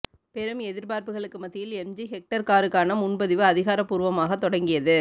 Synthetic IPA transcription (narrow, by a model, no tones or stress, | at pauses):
pɛɾɯmɛðɪɾpaːɾpɯɣɐɭɯkːɯmɐt̪ːɪjɪlɛmd͡ʒiɦɛk̚ʈɐɾkaːɾɯkːaːnɐmʊɳbɐðɪʋɯɐðɪɣaːɾɐpːuːɾɯʋɐmaːɣɐt̪ːɔɽɐŋɡɪjɐðɯ